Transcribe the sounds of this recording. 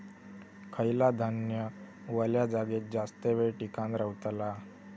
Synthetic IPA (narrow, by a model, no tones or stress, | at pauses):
kʰəjlad̪ʱənjə | ʋəljad͡zaɡet̪̚d͡zast̪eʋeɭʈikãnɾəwt̪la